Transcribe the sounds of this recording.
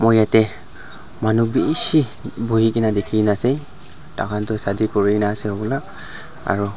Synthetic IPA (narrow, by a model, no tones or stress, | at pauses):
mojatɛ | manubisibuɦikinadekʰinasɛ | ta̰kʰantʊsadikɔɹinasɛɔɡla | a̰ɹu